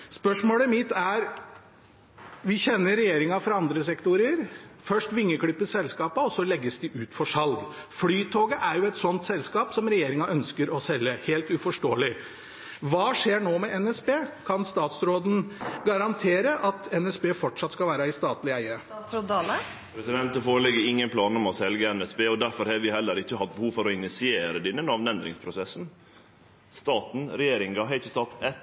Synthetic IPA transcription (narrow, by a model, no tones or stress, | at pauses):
spœʂmoːləmɪt̪ːæɾ | ʋɪçɛnːəɾɛjeːɾɪŋɑfɾɑɑnd̪ɾəsɛkt̪ʊɾəɾfœʂʈʋɪŋːəkʰɽʏpːəsɛlskɑːpɑɔsɔlɛɡːəsd̪ɪʔʉːt̪fɔʂɑlɡflyːt̪ʰoːɡəʔæɾjʊɛt̪sɔnt̪sɛlskɑːpsɔmɾɛjeːɾɪŋɑʔœnskəɾɔsɛlːəheːlt̪ʉfɔʂʈoːəlɪ | ʋɑːʂeːɳoːmɛʔɛnɛsbeːkʰɑnst̪ɑːt̪sɾoːd̪n̩ɡɑɾɑnt̪ʰeːɾəʔɑt̪ʰɛnɛsbeːfɔʈʂɑt̪ːskɑlʋæːɾəɪst̪ɑːt̪lɪæɪəɾod̪ɑlə | pʰɾɛsɪd̪ɛnt̪əfoːɾəlɛɡəɾɪŋːənpʰlɑːnɔmɔsɛlɡəɛnɛsbeːɔd̪æɾfɔɾhɑʋɪhɛlːəɾɪçːəhɑt̪̚bəhuːʋfɔɾɔɪnɪsɪeːɾəd̪ɪnːənɑʋnɛnd̪ɾɪ̰ŋspʰɾʊsɛsn̩ | st̪ɑːt̪n̩ɾɛjeːɾɪŋɡɑɦɛɪt̪ət̪ʰɑt̪ːɛt̪